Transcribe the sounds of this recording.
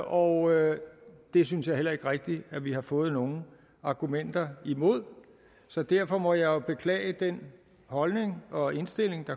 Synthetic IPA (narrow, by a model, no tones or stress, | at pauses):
ʔɒʊ | d̥e̝synsjɑ̈ɪhel̰ɐe̝ɡ̥ʁeɡ̥̚d̥iæʋihɑ̈fɔ̽ːð̩ˠno̝ːn̩ | ɑ̈ɡ̥umen̰d̥ɐimo̝ð̞̰ˠ | sɒ̽d̥æɐfɒ̽mɒ̽jɑ̈ɪob̥e̝kʰlɛ̰ːɪəd̥en | hɒ̽lne̝ŋɒ̽e̝nsd̥e̝l̰e̝ŋd̥ɑ̈